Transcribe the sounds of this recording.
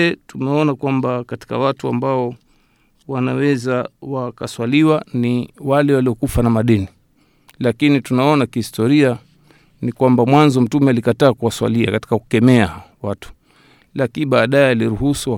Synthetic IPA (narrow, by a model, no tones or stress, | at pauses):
tumɛɔnakwambakati̥ka̰watua̰mbaɔ | wanawɛzawakaswaliwaniwalɛwaliɔkufanamaɗɛni | lakinitunaɔnakihistɔɾia | nikwambamwanzɔm̩tumɛalikataːkuwaswa̰lia̰kati̥kaku̥kɛmɛawatu̥ | lakiiɓaːɗaɛaliɾuhusu